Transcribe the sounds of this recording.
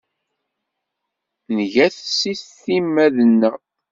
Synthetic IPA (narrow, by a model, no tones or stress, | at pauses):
nʝæθsiθθimːæðənːæ